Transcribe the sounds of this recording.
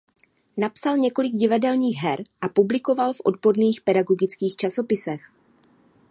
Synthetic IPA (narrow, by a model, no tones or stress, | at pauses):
napsalɲɛko̞lɪɡɟɪvadɛlɲiːɣɦɛɾʔapublɪko̞valfʔo̞̰dbo̞ɾniːxpɛdaɡo̞ɡɪt͡skiːxt͡ʃaso̞pɪsɛx